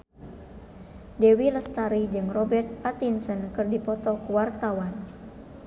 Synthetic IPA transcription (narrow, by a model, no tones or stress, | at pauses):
dɛwiləst̪aɾid͡ʒɨŋrɔbɛrt̪̚pat̪insənkɨrdipɔt̪ɔkuwart̪awan